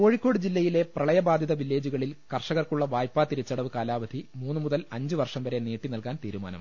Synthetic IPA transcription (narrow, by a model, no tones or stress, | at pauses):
ko̞ːɻikːo̞ːɽɨd͡ʑilːɐjile̞prɐɭɐjɐbaːd̪ʱjɐðɐʋilːe̞ːd͡ʑuɣɐɭilkɐrʂɐɣɐrkuɭːɐʋaːjpːaːt̪iɾit͡ɕːɐɽɐʋɨkaːlaːʋɐd̪ʱimuːnːɨmuðɐlɐɲd͡ʑɨʋɐrʂɐmʋɐɾe̞niːʈːinɐlkaːnt̪iːɾuma̰ːnɐ̰m